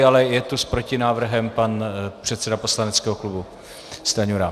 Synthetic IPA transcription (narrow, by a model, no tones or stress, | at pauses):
alɛjɛt̪uspɾo̞cɪnaːvr̩ɦɛmpanpr̝̥ɛt̪sɛdapo̞slanɛt͡skɛːɦoklubu | st̪aɲuɾa